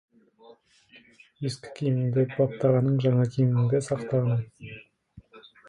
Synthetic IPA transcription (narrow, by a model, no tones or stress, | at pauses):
weskʲɪ̥kʲʰejmɪŋd̪ɪpʰɑp̚t̪ɑʁɑnːəɴʒɑɴɑkʲʰejmɪŋd̪ɪsɑqt̪ɑʁɑnə